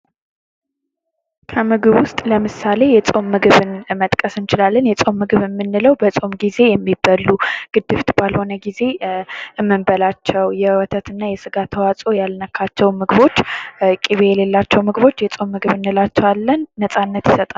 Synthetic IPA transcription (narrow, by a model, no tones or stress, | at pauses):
kʰəmɨɡɨβwʊst̪ʼləmɨsale̞jɛt͡sʼo̞mːɨɡɨβɨnmət̪ʼkʼəsɨnt͡ʃɪlalːənjɛt͡sʼo̞mːɨɡɨβɨmːɨnːɨləwbət͡sʼo̞mɡize̞jɛmːibːəlːuɡ̥ɨd̪ːɨft̪ʰbalho̞nəɡize̞ɨmːɨmbəlat͡ʃːɛwjɛwɔt̪ʰət̪ɨnːajɛsɨɡat̪ʰəwat͡sʼo̞jalnəkʰːat͡ʃːɛwmɨɡβo̞t͡ʃːkʼiβejɛle̞lːat͡ʃːɛwmɨɡβo̞t͡ʃːjɛt͡sʼo̞mːɨɡɨβɨnːɨlat͡ʃːɛwalːənːəsʼanːət̪jɪsət̪ʼa